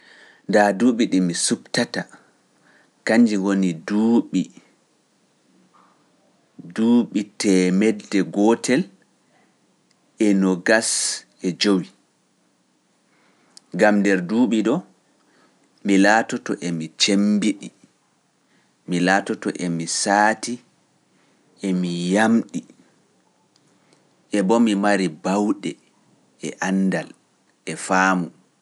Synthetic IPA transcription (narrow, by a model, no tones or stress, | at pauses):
ndaduːɓiɗimisubtata | kaɲd͡ʒiwoniduːɓi | duːɓitɛmɛdːɛɡɔtʰɛl | ɛnɔɡas | ɛd͡ʒowi | ɡamdɛɾduːɓiɗɔ | milaːtɔtɔʔemit͡ʃembiɗi | milaːtɔtɔ̰ʔemisaːti | emijamɗi | ʔɛbɔmimaɾibawɗɛ | ɛ̰ʔanːdal | ɛfaːmu